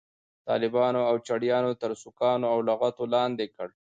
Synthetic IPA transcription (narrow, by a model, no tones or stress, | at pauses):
t̪ɑ̰ːlɪbɑnoawt͡ʃaɽjɑːnot̪əɾsʊkɑːnoawlaɣat̪olɑnd̪ekəɽ